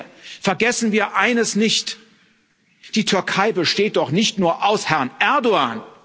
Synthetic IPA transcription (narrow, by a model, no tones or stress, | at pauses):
fɛɐɡɛsn̩viːɐʔaɪnəsnɪçt | d̥iːtʰʏɐkʰaɪbəʃteːt̚d̥ɔχnɪçtnuːɐʔaʊshɛɐnʔɛɐdoaːn